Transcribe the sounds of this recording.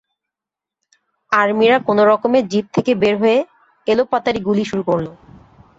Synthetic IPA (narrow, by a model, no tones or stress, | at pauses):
aɾmiɾakonoɾɔkomed͡ʑit̪̚t̪ʰekebeɾɦoe | elopːat̪aɾiɡuliʃuɾukoɾlo